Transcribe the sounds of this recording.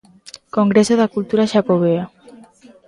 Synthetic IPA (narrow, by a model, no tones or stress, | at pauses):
koŋɡɾesoðakult̪uɾaʃakoβea